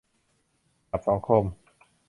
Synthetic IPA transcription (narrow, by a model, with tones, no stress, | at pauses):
a˨˩p̚sa˩˦ŋkʰo˧˩m